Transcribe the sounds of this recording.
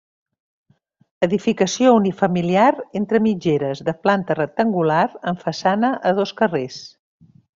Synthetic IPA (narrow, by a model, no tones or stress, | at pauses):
əðifikəsiounifəmiliaɾent̪ɾəmid͡ʒeɾəzðəplant̪ərək̚t̪əŋɡulaɾəɱfəsanəʔəð̞oskəres